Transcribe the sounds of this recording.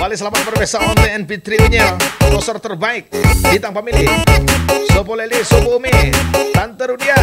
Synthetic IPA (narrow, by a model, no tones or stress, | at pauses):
palisəlamat̪̚pərbesaʔɔnt̪ɛɛnbit̪ɾiuɲalɔsərt̪ərbaɪk̚dit̪aŋpamili | sopolelisopumit̪ant̪əɾudia